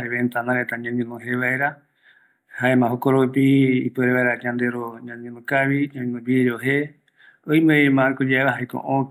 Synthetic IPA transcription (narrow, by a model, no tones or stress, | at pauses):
eβent̪anãɾet̪aɲãɲẽnõɦeʋaeɾa | haemãɦokoɾopiːpeɾeβaeɾaɲãnd̪eɾoɲãɲẽnõkaʋiɲãɲnõbieɾoɦe | oijmeemãɾkod͡ʒaeβaɦaekõ̰ʔõ